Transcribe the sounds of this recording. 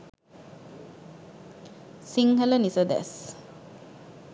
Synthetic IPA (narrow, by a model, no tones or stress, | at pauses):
siŋhələnisəd̪ɛ̰s